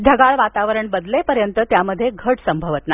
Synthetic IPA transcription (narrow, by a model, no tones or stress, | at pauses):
d͡ʒʱəɡaɭʋat̪aʋəɾəɳbəd̪lepəɾjənt̪ət̪jaməd̪ʱːjeɡʱəʈsəmbʱəʋət̪na